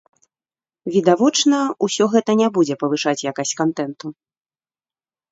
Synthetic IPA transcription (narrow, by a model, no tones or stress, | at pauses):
vʲid̪avɔt͡ʂnɐusʲɔɣɛt̪ɐnʲabud͡zʲɛpɐvɨʂat͡sʲjakasʲkant̪ɛnt̪u